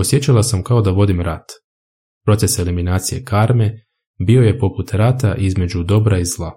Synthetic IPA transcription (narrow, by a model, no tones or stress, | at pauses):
osje̞t͡ɕalˠasamkao̞d̪aʋo̞d̪imɾat̪ | pɾo̞t̪se̞se̞liminaːt̪sije̞̰kaɾme̞ | bio̞je̞po̞put̪ɾat̪aʔizme̞d͡ʑud̪o̞bɾaizlˠa